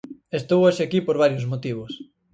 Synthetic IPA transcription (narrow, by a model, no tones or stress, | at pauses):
est̪owaʃeakipoɾβaɾjozmot̪iβ̞os